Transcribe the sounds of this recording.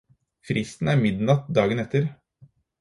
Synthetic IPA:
fɾɪst̪n̩æɾmɪd̪nɑt̪̚d̪ɑːɡənɛt̪ʰːəɾ

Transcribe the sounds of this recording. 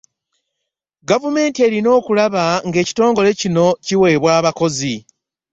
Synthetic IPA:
ɡavume̞ːntie̞ːɾino̞ːkulaβaŋɡe̞ːci̥to̞ːŋɡo̞le̞cino̞ciwe̞ːβwaːβako̞zi

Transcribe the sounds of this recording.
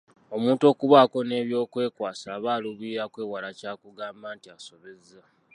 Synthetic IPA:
o̞muːnto̞ːkuβaːko̞ne̞βjo̞ːkwe̞ːkwaːsaβaːluβiɾakwe̞ːwalacaːkuɡaːmbaːntiaso̞βe̞za

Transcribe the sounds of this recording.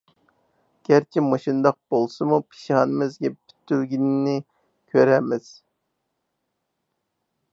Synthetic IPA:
ɡ̥ʲæɾt͡ʃʰimɑʃind̪ɑq̚b̥olˠsɨmupʰi̥ʃihɑnɨmɪzɡʲɛpʰy̥t̪ːyɾɡʲinnɪ | kʲʰøɾɛmɪz̥

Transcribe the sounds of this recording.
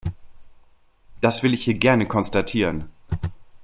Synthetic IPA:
d̥asv̥ɪlɪçhiːɐɡɛɐnəkʰɔnstatʰiːʁən

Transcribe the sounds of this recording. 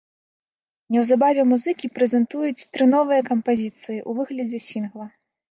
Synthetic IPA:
nʲɛwzabavʲɛmuzɨkʲipɾɛzʲɛnt̪ujut͡sʲt̪ɾɨnɔvɨjɐkɐmpazʲit̪sɨjiʔuvɨɣlʲɐd͡zʲɛsʲinɣlˠɐ

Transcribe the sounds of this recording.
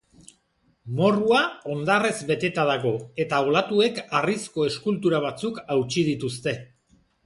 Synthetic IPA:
mo̞ruao̞nd̪are̞zbe̞t̪e̞t̪aðaɣo̞e̞t̪aolat̪ue̞karisko̞e̞skult̪uɾaβ̞at͡sukawt͡ʃið̞it̪ust̪e̞

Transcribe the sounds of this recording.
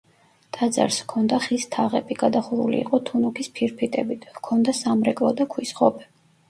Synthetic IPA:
t̪ʼad̪za̰ɾskʰɔnd̪aχist̪ʰaʁɛ̰biɡad̪aχuɾṵlḭːqʼɔt̪ʰunukʰispʰiɾpʰit̪ʼɛbit̪ʰkʰɔnd̪asamɾɛkʼlˠɔd̪akʰwisχɔbɛ

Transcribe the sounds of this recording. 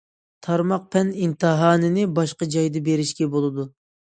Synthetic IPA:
t̪ʰɑɾmɑq̚pʰɛnint̪ʰɨɦɑːnɨnɪbɑʃqɑd͡ʒɑjd̪ɨbeɾɪʃkʲɛbolˠɨd̪u

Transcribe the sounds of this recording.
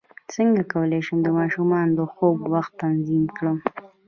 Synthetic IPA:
səŋɡakawəleʃəmd̪əmɑʃumɑnd̪əxoɡwaxt̪ːanzimkɽəm

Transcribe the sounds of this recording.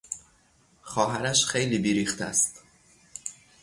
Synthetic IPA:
xɒːɦæɾæʃxejliːbiːɾiːxt̪ʰæ̰st̪

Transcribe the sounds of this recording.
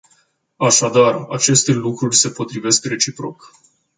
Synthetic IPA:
aʃad̪arat͡ʃe̞st̪e̞lukɾurʲse̞po̞t̪ɾive̞skre̞t͡ʃipɾo̞k

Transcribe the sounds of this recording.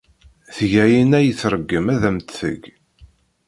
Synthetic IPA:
θʝæjinæjəθɾəɡːəmæðæmt̪θə̰ɡ

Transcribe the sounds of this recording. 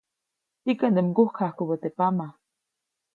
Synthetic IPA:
ikand̪emɡuhkʰahkubət̪epama

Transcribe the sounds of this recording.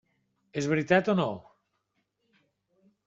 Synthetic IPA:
ezβɾit̪at̪ono

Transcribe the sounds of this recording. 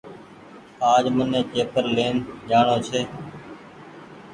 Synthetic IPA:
aːd͡ʒmənẽːt͡ʃeːpəɾleːnd͡ʒaːɳoːt͡ʃʰeː

